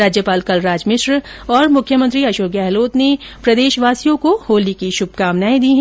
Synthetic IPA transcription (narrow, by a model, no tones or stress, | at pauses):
ɾaːd͡ʒjəpaːlkɐlɾaːd͡ʒmɪʃɾɔːɾmʊkʰːjəmə̃nt̪ɾiɐʃoːkɛːɦloːt̪nepɾɐd̪eːʃʋaːsijõkohoːlikiʃʊb̚ʱkaːmnaːẽd̪iːɦɛ̃